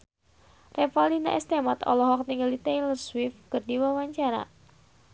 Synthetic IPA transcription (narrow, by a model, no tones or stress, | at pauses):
rɛfalina̰ʔɛst̪ɛmat̪ɔ̰lɔɦɔk̚niŋɡalit̪ɛjlərswifkɨrdiwawaɲt͡ʃaɾa̰